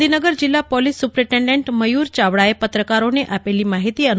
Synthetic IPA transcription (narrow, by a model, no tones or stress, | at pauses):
d̪ʱinəɡəɾd͡ʑilːapɔlissːupɾeʈeɳɖeɳʈməjuːɾt͡ɕaʋɽaepət̪ɾəkaɾoneʔapeliːmaɦit̪iːən